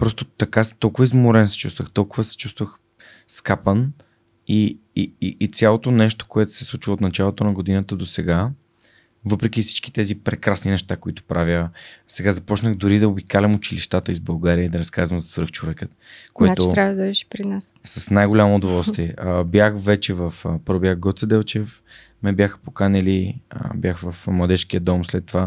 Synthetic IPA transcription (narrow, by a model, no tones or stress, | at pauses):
pɾɔst̪ot̪ɐkast̪ɔlˠkʊvəizmʊɾɛnsɛ̥t͡ʃust̪vəxt̪ɔlˠkʊvəsɛ̥t͡ʃust̪vəx | skapən | i | iiʔit̪sʲjalˠot̪onɛʃt̪o̥koɛt̪ʊ̥sɛ̥slˠut͡ʃvəot̪nɐt͡ʃalˠot̪onɐɡʊd̪inət̪əd̪osɛɡa | vɤpɾɛkʲifsi̥t͡ʃki̥t̪ɛzipɾɛkɾasninɛʃt̪akoit̪ʊ̥pɾavʲjəsɛɡazɐpɔt͡ʃnəɣd̪ʊɾid̪ɐobikalɛmʊt͡ʃiliʃt̪at̪əizbɐlˠɡaɾiəid̪ɐɾɐskazvɐmzɐsvəɾxt͡ʃovɛkə | koɛat̪ʊt̪ɾavədd̪ɐvɛʃɛ̥pɾinassɐsnajɡolʲamoːd̪ovɔlˠst̪viɛəbjaxvɛt͡ʃɛvəfəpɾobjakɡɔt̪səd̪ɛlˠt͡ʃɛf | mɛbjaxə̥po̥kanɛlḭbjaxvɐfmlˠɐd̪ɛʃk̟iəd̪ɔmslɛt̪ːova